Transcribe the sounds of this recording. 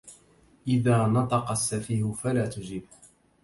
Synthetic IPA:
ʔɪðaːnɑt̪ˤɑqɑsːafiːhʊfalaːt̪ʊd͡ʒɪb

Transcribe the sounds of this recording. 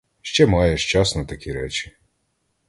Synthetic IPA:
ʃt͡ʃɛmɑjɛʃt͡ʃɑsnɐt̪ɐkʲiɾɛt͡ʃɪ̥

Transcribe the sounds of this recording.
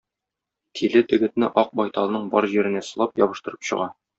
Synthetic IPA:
t̪ʰilɘt̪ɘ̆ɡɘ̆t̪nɘʔɒq̚bɒjt̪ɑlˠɤnɤɴbɒɾʑiɾɘ̆næsɤ̆lˠɑpjɒbɤ̆ʃt̪ɤ̆ɾɤ̥pɕɤ̰̆ʁɑ

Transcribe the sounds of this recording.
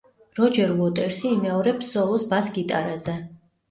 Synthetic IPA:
ɾɔd͡ʒɛɾlˠɔt̪ʼɛɾsiːmɛɔɾɛbʰz̥ɔlˠɔsbasɡit̪ʼaɾazɛ

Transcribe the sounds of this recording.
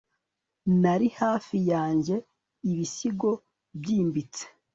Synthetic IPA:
naɾihaːfijaːɲɟe̞ | iβisiɡo̞ | bɟiːmbit͡se̥

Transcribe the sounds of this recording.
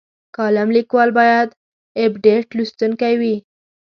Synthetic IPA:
kɑlamlikwɑlbɑjad̪ | ebɖeʈlust̪unkawi

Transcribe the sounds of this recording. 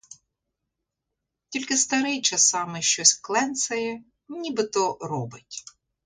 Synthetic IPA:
tʲilʲkɪst̪ɐɾɪjt͡ʃɐsɑmɪʃt͡ʃɔsʲklˠɛnsɐjɛ | nʲibɪt̪ɔɾɔbɪtʲ

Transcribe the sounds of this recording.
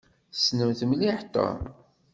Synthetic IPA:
snəmθəmliħt̪ˤːɑ̰

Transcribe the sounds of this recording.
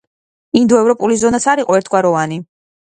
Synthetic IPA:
ind̪ɔɛvɾɔpʼulizɔnat̪sʰaɾiqʼɔɛɾt̪ʰɡwaɾɔvani

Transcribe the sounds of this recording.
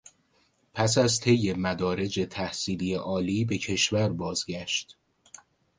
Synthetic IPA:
pʰæs̬æzt̪ʰe̞jːe̞mæd̪ɒːɾe̞d͡ʒe̞t̪ʰæhsiːlijeʔɒːliːbe̞cʰe̞ʃvæɾbɒːzɟæʃt̪

